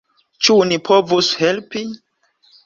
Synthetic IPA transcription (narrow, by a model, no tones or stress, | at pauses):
t͡ʃunipʰovushelpi